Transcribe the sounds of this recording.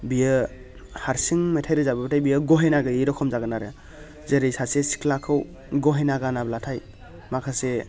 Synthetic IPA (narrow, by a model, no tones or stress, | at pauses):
bijɯ | haɾsiŋmetʰajɾɯzabɯbatʰajbijɯɡɔɦenaɡɯiɾɔkʰɔmzaɡɯnaɾe | zeɾɯjsasesi̥kʰlakʰɯw | ɡɔɦenaɡanablatʰaj | makʰase